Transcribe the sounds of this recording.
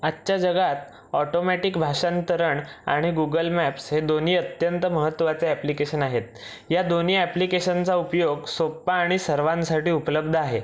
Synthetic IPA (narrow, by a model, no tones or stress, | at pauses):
atːɕad͡ʑəɡat̪ | ɔʈomɛʈikbʱaʂant̪əɾəɳa̰ɽ̃iɡuɡəlmæpshed̪oniːət̪jənt̪əməɦət̪ːʋat͡seæplikeɕənaɦet̪̚ | jad̪oniːæplikeɕənt͡saupjoɡsopːaːɽ̃isəɾʋãnsaʈiːupləb̚d̪ʱəaɦe